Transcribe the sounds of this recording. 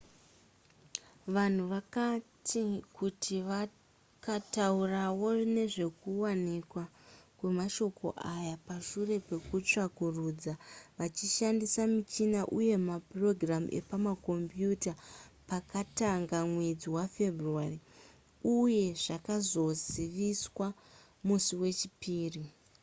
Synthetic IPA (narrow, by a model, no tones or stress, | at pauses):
ʋan̤uʋakatikutʰiʋa | kataurawo̞rine̞ʐe̞kuwanikwakwe̞maʃo̞kʰo̞̰ʔajapaʃure̞pe̞kut͡ʂakuruːd͡zaʋat͡ʃiʃandisamit͡ʃinaʔuje̞mapro̞ɡram̰ʔe̞̰pamako̞mbjutapakataŋɡamwed͡ziwafe̞bʱruari | uje̞ʐakazo̞ziʋiswa | musiwe̞t͡ʃipiːri